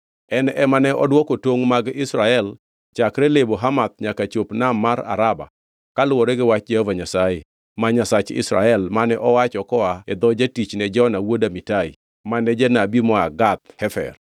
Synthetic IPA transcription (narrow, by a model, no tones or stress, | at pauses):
ɛnɛmanɛʔɔdwɔkotwoŋmaɡɪsɾaɛl | t͡ʃakɾɛleboɦamat̪̚ɲakat͡ʃopnamːaɾa̰ɾaba̰ | kalʊwɔɾɛɡɪwat͡ʃd͡ʒɛhɔvaɲasaɪ | maɲasat͡ʃɪ̰sɾa̰ɛlmanɛʔɔwat͡ʃɔkɔaed̪ɔd͡ʒatit͡ʃnɛd͡ʒɔnawodamitaḭ | manɛd͡ʒenabimɔaɡat̪̚hɛfɛ̰r